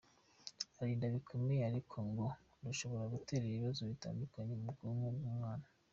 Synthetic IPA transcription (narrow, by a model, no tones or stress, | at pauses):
aɾiːndaβikʰomeaɾikʰo̞ŋɡo | nduʃo̞βoɾaɡuteɾeiβazoβita̰ːndukaɲemuɡumubɡumŋaːna